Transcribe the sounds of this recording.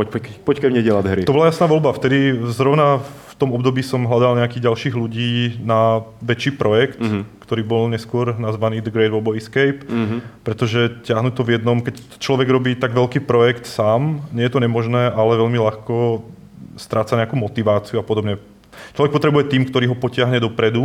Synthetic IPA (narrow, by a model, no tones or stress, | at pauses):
pɔppɔckɛmɲɛɟɛlaɦɾit̪ɔbɔlajasnaːʋɔlbaft̪ɛd̪izɾɔʊnaft̪ɔmɔbd̪ɔbiːsɔmɦlad̪alɲɛakiːɟalʃiːɣluɟiːnaʋɛt͡ʃiːpɾʔɔjɛkt̪kt̪ɔɾiːbɔlɲɛskʊɔɾnazʋaniːd̪əɡɾɛɪd̪ʋɔlbɔiskɛjppːɾɛt̪ɔʒɛcɪaɦnut̪ɔvjɛd̪nɔmkɛc | t͡ʃlɔʋɛɡɾɔbiːt̪aɡʋɛlkiːpɾɔjɛkt̪saːmɲɛjɛt̪ɔɲɛmɔʒnɛːʔalɛʋɛʎmilaxkɔ | st̪ɾaːt͡saɲɛakuːmɔt̪iʋaːt͡siuapɔd̪ɔbɲɛ | t͡ʃlɔʋɛk̚pɔt̪ɾɛbujɛt̪iːmkt̪ɔɾiːɦɔpɔcɪaɦɲɛd̪ɔpɾɛd̪u